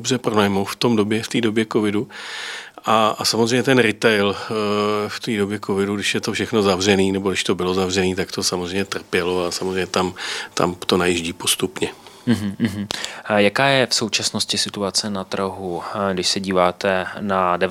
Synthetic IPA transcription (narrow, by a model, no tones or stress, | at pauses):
obrɛpɾonajmowft̪o̞mdobjɛft̪iːdo̞bjɛko̞vɪdu | ʔaasamozrejmɲɛt̪ɛnɾɪt̪ɛjl | ft̪iːdo̞bjɛkʰovɪduɡdɪʃjɛt̪ofʃɛxno̞zavr̝ɛniːnɛboɪʃt̪o̞bɪlo̞zavrɛniːt̪akt̪o̞samozr̝ejmɲɛt̪r̩pjɛlo̞asamozrejɲɛt̪amt̪ʰa̰mt̪o̞najiʒɟiːpo̞st̪upɲɛɦ̩ɦ̩jakaːjɛfso̞wt͡ʃasnoscɪsɪt̪uat͡sɛnat̪r̩ɦuɡdɪʃsɛɟiːvaːt̪ɛnadɛ